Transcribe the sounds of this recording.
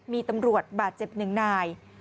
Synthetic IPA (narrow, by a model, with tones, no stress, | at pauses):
miː˧t̪a˧mɾu˨˩ət̪̚baː˨˩t̪̚t͡ɕe˨˩p̚nɯ˨˩ŋnaː˧j